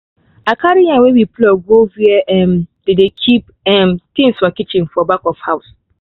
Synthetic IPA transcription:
akʰaɾijawewiplɔɡoviɛʔɛmd̥edekʰip̚ | ɛ̃mt̪ĩŋswɔkit͡ʃɪ̃ŋfɔbakɔfhaʊs

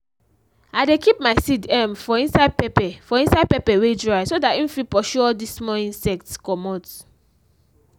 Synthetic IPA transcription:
aɪdekip̚maɪsidɛ̃mfɔĩnsaɪd̚pɛpɛfɔĩnsad̚pɛpɛwedɹajsodatĩfipɔʃɔɔdismɔĩnsɛk̚tkɔmɔt

